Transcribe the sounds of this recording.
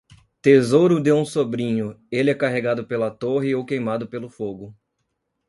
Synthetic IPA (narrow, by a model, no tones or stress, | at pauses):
t̪ezowɾʊd̪ewũsobɾĩɲʊelɪɛkaɦeɡad̪ʊpelɐt̪oɦɪowkejmad̪ʊpelʊfoɡʊ